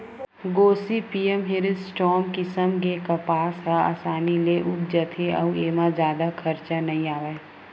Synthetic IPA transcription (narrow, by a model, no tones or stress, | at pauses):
ɡoːsipiːemɦɪɾɪsʈɔːmkɪsəmk̬ekɐpaːsɦaa̰ːsaːnileʔʊpd͡ʒət̪ʰeɐ̰ueːmãzjaːd̪akʰɐɾt͡ʃanɐɦĩaːʋe